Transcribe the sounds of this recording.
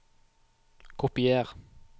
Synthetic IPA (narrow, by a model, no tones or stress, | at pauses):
kʰʊpɪeːʁ